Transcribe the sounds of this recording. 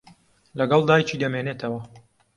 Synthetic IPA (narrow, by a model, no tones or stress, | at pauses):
lɐɡɑlˠd̪aːjt͡ʃiːd̪ɐmeːneːt̪ʰɐwɐ